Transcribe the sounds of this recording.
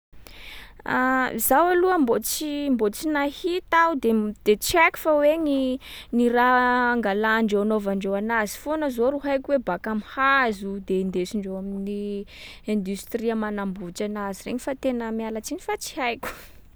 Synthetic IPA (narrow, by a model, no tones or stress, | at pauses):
azawaluəmbot͡simbot͡sinahit̪aud̪ed̪̥et͡sɛku̥faweniniraaŋɡalaːɳɖ͡ʐewanovaɳɖ͡ʐewanazi̥fonəzoɾuɦajkʲuwebakamhazud̪end̪esiɳɖ͡ʐewamini | ẽnd̪ust̪riəmanambut͡ʃanaziɾḛɲifat̪enəmialat͡siɲifat͡si̥hajkʲu̥